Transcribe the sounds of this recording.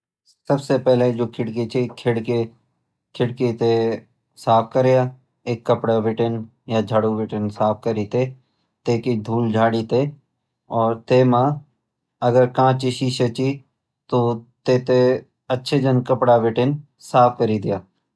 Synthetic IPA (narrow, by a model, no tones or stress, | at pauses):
sɐbsepɛɦled͡ʒoːkʰɪɽket͡ʃekʰɪɽke | kʰɪɽket̪e | saːp̚ʰkəɾejaː | eːkːəpɽaʋɪʈən | jad͡ʒʱaɽuʋɪʈənsaːp̚ʰkəɾit̪e | t̪eːkid̪ʱuːld͡ʒʱaːɽit̪e | ɔːɾt̪eːmã | ɐɡəɾkãːt͡ʃiʃiʃət͡ʃi | t̪ot̪eːt̪e | ɐtːʃʰed͡ʒənkəpɽaʋɪʈən | saːp̚ʰkəɾid̪ɪjaː